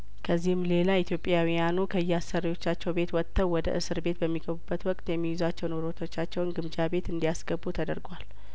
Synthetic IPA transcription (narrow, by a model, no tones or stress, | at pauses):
kʰəzːihɨmle̞lait̪ʰjo̞pʼjawijanukʰəɨjːɛasəɾijo̞t͡ʃːat͡ʃːɛwbe̞t̪wɔt̪ʰːəwwːɔd̪ə̰ʔɨsɨɾbe̞t̪bəmːiɡəβubːət̪wɔkʼt̪jɛmːijɪzat͡ʃːɛwnoɾot̪ʰo̞t͡ʃːat͡ʃːɛwnɡɨmd͡ʒabe̞t̪ɨnd̪ijasɡəbːut̪ʰəd̪əɾɡwal